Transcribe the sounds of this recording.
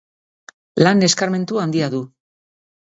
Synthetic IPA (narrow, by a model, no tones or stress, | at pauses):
lane̞skaɾme̞nt̪uand̪iaðu